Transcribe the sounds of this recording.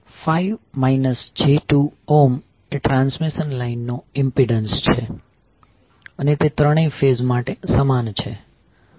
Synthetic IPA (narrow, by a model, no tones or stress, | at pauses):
faiʋmainəsd͡ʒeʈuom | eʈɾãnsmiʃənlainːoɪmpiɖənst͡ʃʰe | ənet̪et̪ɾəɽ̃ĩfezmaʈesəmant͡ʃʰḛ